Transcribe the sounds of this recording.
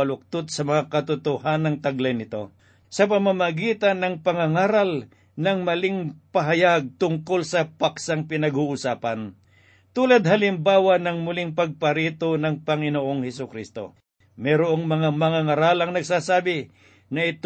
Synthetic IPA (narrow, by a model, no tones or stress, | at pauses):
ɐlʊk̚t̪ʊt̪̚sɐmɐŋakɐt̪ʊt̪ʊhanːɐŋt̪ɐɡlɐjnɪt̪o̞ | sɐpɐmamɐɡiːt̪ɐnːɐŋpɐŋɐŋaːɾɐl | nɐŋmɐliŋpɐɦɐjaɡ̚t̪ʊŋko̞lsɐpaksaŋpɪnɐɡuʔʊsaːpɐn | t̪uːlad̪̚hɐlɪmbaːwanɐŋmʊlɪŋpɐɡ̚pɐɾiːt̪onɐŋpɐŋɪnoʔoŋhɛsʊkɾist̪o̞̰ | mɛɾoʔoŋmɐŋamɐŋaŋɐɾalɐŋnɐɡsaːsaːbɪ | nɐʔɪt̪